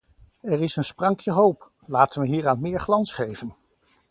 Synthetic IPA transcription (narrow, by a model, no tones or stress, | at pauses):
ɛɹɪsənsprɑŋkʰjəɦowp | laːtənʋəɦiːɹaːnmɪːɹχlɑnsχejvən